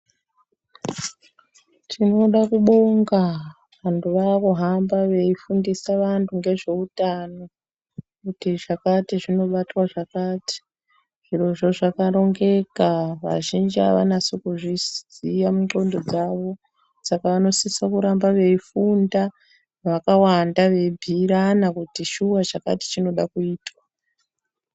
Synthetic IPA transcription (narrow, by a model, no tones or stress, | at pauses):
tʰino̞ɗakuɓo̞ŋɡa | ʋantʰuʋaːkuɦambaʋe̞ifundisaʋantʰuŋɡe̞ʐe̞utano̞ | kutiʐakatiʐino̞ɓatwaʐakaːti̥ | ʐ̥iro̞ʐo̞ʐakaɾo̞ŋɡe̞kaʋa̰ʒind͡ʒia̰ʋa̰nasokuʐisijamuɡo̞ndo̞d͡zaʋo̞ | sakaʋano̞sisakuɾambaʋe̞ifunda | ʋakawandaʋe̞bʱiɾanakutiʃuwat͡ʃaka̰ti̥t͡ʃino̞ɗakuiːtwa